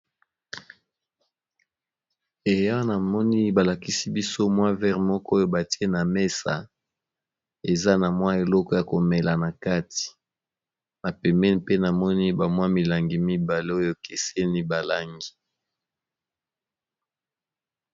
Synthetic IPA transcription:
e˨ja˦na˨mɔ˦ni˦ba˨la˨ki˦si˦bi˦so˦mwa˦vɛ˦ʁmɔ˦kɔ˦o˦jo˦ba˨ti˦e˦na˨me˦sa̰˨ | e˨za˦na˨mwa˦e˨lɔ˦kɔ˦ja˨ko˨mɛ˨la˨na˨ka˦ti̥˨ | na˨pɛ˨mɛ˦ni˨pe˦na˨mɔ˦ni˦ba˨mwa˦mi˨la˨ŋɡi˨mi˦ba˨le˦o˦jo˦ke˨se˦ni˦ba˨la˦ŋɡi˨

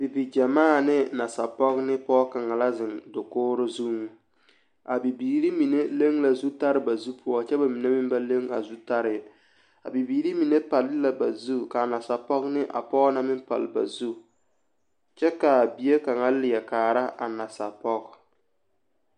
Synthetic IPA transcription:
bi˨bi˨d͡ʒa˨maː˦˨nɪ˦na˨sa˨pɔ˦knɪ˦pɔː˦ka˨ŋa˨la˦zɪ˨ndʊ˨koː˦ɾʊ˦zu˦ŋ˨ | a˨bi˨biː˨ɾi˦mi˨ne˦le˦ŋla˨zu˦ta˦ɾɪ˨ba˨zu˦pɔ˦t͡ʃɛ˦ba˨mi˨ne˦mɪ˦mba˦le˦ŋa̰˨zu˦ta˦ɾɪ˨ | a̰˨bi˨biː˨ɾi˦mi˨ne˦pa˨lɪ˦la˨ba˨zu˦ka˨na˨sa˨pɔ˦knɪ˦ʔa̰˨pɔː˦na˦mɪ˦mpa̰˨lba̰˨zu˦ | t͡ʃɛ˦ka˨bi˨˦e˦ka˨ŋa˦lɪ˨jɛ˨kaː˨ɾa˦ʔa˨na˨sa˨pɔ˦k

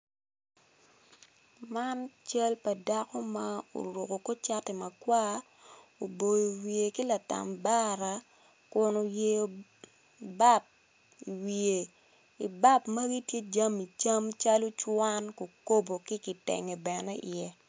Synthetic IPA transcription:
ma˦nt͡ʃa˦lpɐ˨da˦kɔ˦ma˦o̰˨ɾu˨ko˨ko˦t͡ʃa˦te˨mɐ˨kwa˦ | o˨bo˨jo˨wje˨ki˦la˨ta̰˨mba˦ɾa˨ | kʊ˨no˨je˨o˨ | ba˦p̚ | i˨wie˨ | i˨ba˦pmɐ˦ɡi˦tje˦d͡ʒa˦mi˨t͡ʃa˦mt͡ʃa˦lo˦t͡ʃwa˦nko˨ko˦bo˨kɪ˦kɪ˨tɛ̰˨ŋɛ˨bɛ˨nɛ˦ɪ̰˨jɛ˦

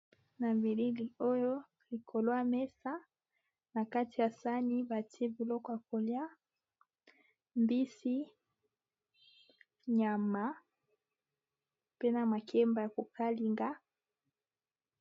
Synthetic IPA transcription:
na˨mi˨li˦li˨o˦jo˦ | li˨kʰo˨lo˦a˦mɛ˦sa˦ | na˨ka˦ti˨ja˨sa˦ni˦ba˨ti˦e˦bi˨lɔ˦kɔ˨˦ja˨ko˨lja˦ | mbi˦si˦ | ɲa˨ma˦ | pe˦na˨ma˨kʰɛ˦mba˨ja˨ko˨ka˦li˦ŋɡa˦

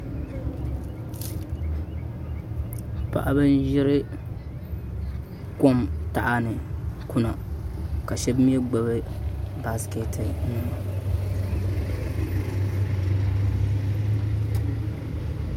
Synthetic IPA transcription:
pa̰˨ʔa˦bɨ˦n˦ʒɪ˦ɾɪ˦ | ko˦mta˨ʔa˦nɨ˨ku˦na˨ka˨ʃɛ˦bmi˦ɛ˦ɡ͡ba˨bɨ˦ba˨˦ske˨tʰɨ˨nɨ˨ma˨

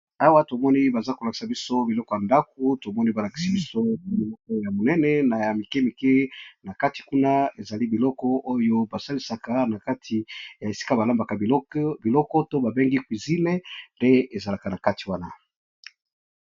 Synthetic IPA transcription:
a˦wa˦to˨mɔ˦ni˦ba˨za˦ko˨la˨ki̥˨sa˨bi˦so˦bi˨lɔ˦kɔ˨ja˨nda˦k̚o˦to˨mɔ˦ni˦ba˨la˨ki˨si˨bi˦so˦a˨mi˨lɔ˦kɔ˦ja˨mo˨nɛ˦nɛ˦na˨ja˨mi˨ke˦mi˨ke˦na˨ka˦ti̥˨ku˦na˦e˨za˨li˦bi˨lɔ˦kɔ˦ʔo˦jo˦ba˨sa˦li˦sa˨ka˦na˨ka˦tʰi˨ja˨e˨si̥˦ka˦ba˨la˦mba˨ka˨bi˨lɔ˦kɔ˦to˦ba˨be˦ŋɡi˦kwi˨zi˦ne˦nde˦e˨za˨la˨ka˨na˨ka˦ti˨wa˦na˨

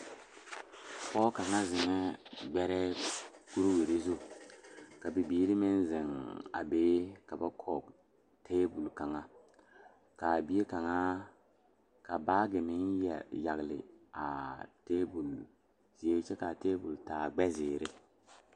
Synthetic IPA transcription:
pɔː˦ka˨ŋa˦zɪ˨ŋɛ˦ɡ͡bɛ˦ɾɛ˦ | ku˦ɾwi˨ɾe˦zu˦ | ka˨bi˨biː˨˦ɾɪ˦mɪ˦nzɪ˨ŋa̰˨beː˦ka˨ba˦kʰɔ˨ | tʰeː˦bu˨lka˨ŋa˦ | ka˨bi˦e˦ka˨ŋa˦ | ka˨baː˦ɡɪ˨mɪ˦njɛ̰˨ja˨ɡlɪ̰˨a̰˨teː˦bu˨l | z̥i˨e˦t͡ʃɛ˦ka˨teː˦bu˨ltaː˨ɡ͡bɛ˦zɪː˨ɾɪ˦

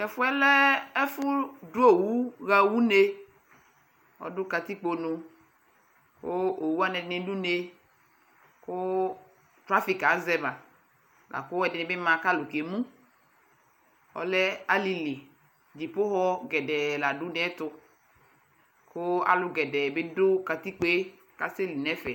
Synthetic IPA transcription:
ɛ˨fʊ˦ɛ˦lɛ˦ɛ˦fʊ˦dʊ˦o˦˨wu˦ɣa˦wu˦ne˦ | ɔ̰˨dʊ˦ka˧t̪i˦k͡po˧nũ˧ | kʊ˦o˨wu˦a˦nɛ˨dɪ˦nɪ˦du˦ne˦ | kʊ˦ | tɾa˦fi˨ka˨˦zɛ˦ba˨ | lʔa̰˨kʊ˦ɛ˨dɪ˨nɪ̃˨˦bɪ˦mã˧ka˦lʊ˨ki˨e˨mũ˦ | ɔ̰˨lɛ˦a˦li˨li˨ | d͡ʒi˨pʊ˦ɦɔ˦ɡɛ˨dɛ˨la˨dʊ˦n˦ɛ˦tʊ˧ | kʊ˦a̰˦lʊ˨˦ɡɛ˨dɛ˨bɪ˦dʊ˦ka˧t̪i˦k͡pe˦ | ka˦se˦li˨nɛ˨˦fɛ˨

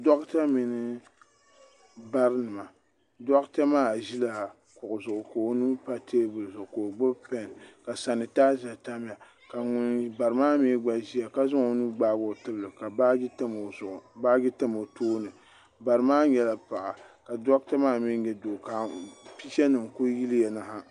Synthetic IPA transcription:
dɔ˦kta˦mi˨nɨ˦ | ba˦ɾnɨ˨ma˨ | dɔ˦kta˦maː˦˨ʒi˦la˨ | kʊ˨ʔʊ˨zʊ˨ʔʊ˨ko˨˦nu˦pa˦tʰeː˦bʊ˨lzʊ˨ʔʊ˨ko˨ɡ͡bʊ˦bpɛ˦n˨ka˨sa˨nɨ˨taː˦za˨ta˦m˦a˨ | ka˨ŋʊ˦nba˨ɾɨ˨˦maː˦me˦ɡ͡ba˦ʒi˦ja˨ka˦zʊ˦ŋo˨˦nu˦ɡ͡baː˦bʊ˨tɨ˦blɨ˨ka˨ba˦tmo˨ʊ˨ʔʊ˨ba˦ɡɪ˦tɨ˦mo˨toː˦nɨ˨ | ba˨ɾɨ˨˦maː˦ɲɛ˨la˦pa˨ʔa˨ka˨dɔ˦ktɛ˦maː˦mi˦ɲɛ˦do˨ka˨pi˦ʃɛ˦nɨ˨mku˦ji˦lɨ˦ja˨na˨ɦa˦

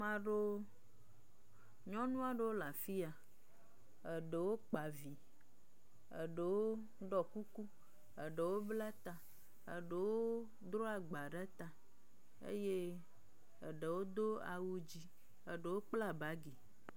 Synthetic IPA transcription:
mã˨ɖo˦ | ɲɔ̃˦nũ˦a˨ɖe˨wo˦la˨fi˦a˨ | ə˨ɖe˨wo˦k͡pa˨vi˨ | ə̰˨ɖe˨wo˦ | ɖɔ˨ku˦ku˦ | ə˨ɖe˨wo˦bla˦t̪a˨ | ə̰˨ɖe˨wo˦ | d̪ɾo˦a˨ɡ͡ba˨ɖa˦t̪a˨ | ḛ˦je˦ | ə˨ɖe˨wo˦d̪o˦a̰˨wu˦d͡ʑi˦ | ə˨ɖe˨wo˦k͡pla˦ba˨˦ɡi˨

